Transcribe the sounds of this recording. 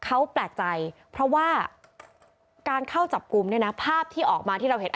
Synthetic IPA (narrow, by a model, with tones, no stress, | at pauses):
kʰa˦˥wplɛː˨˩k̚t͡ɕa˧jpʰɾɔ˦˥waː˥˩ | kaː˧nkʰa˥˩wt͡ɕa˨˩p̚ku˧mni˥˩ɐna˦˥pʰaː˥˩p̚t̪ʰiː˥˩ʔɔː˨˩k̚maː˧t̪ʰiː˥˩ɾa˧wɦe˨˦t̪ʔ